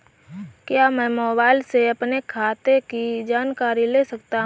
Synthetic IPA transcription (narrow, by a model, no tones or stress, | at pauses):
kjaːmɛ̃ːmɔːbaːɪlseɐpnekʰaːt̪ekid͡ʒaːnkaːɾileːsɐkt̪aɦ